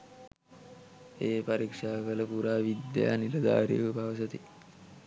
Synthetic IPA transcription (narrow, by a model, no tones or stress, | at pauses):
heːpəɾikʂakɐlɐpuɾaʋid̪ja̰nilad̪a̰ɾḭpaʋs̬ət̪i